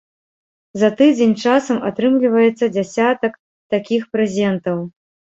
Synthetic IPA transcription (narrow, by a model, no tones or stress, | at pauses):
zɐt̪ɨd͡zʲenʲt͡ʂasɐmat̪ɾɨmlʲivɐjɛt̪sːɐd͡zʲasʲat̪ɐk | t̪akʲixpɾɛzʲɛnt̪ɐw